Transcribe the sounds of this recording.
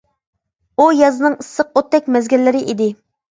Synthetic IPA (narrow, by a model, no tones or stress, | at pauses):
ujɑzɨnɨŋisːəqot̪ːɛk̚ʲmɛzɡʲilːɪɾɪʔid̪ɪ